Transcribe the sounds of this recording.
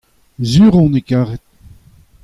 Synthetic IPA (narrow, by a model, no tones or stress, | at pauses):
zyːʁɔ̃nekaːʁɛt̪̚